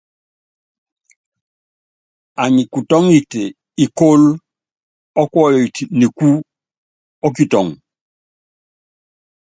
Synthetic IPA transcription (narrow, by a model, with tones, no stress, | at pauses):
a˨ɲi˨ku˨to˦ŋi˨te | i˨ko˦l | ɔ˦kwɔjoi˨tini˨ku˦ | o˦kitɔ˨ŋ